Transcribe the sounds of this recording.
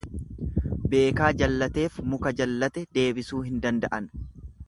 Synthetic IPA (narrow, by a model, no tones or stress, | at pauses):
be̞ːkaːd͡ʒɐlːɐt̪e̞ːfmʊkɐd͡ʒɐlːɐt̪ɛd̪e̞ːbɪsuːɦɪnd̪ɐnd̪ɐʔɐn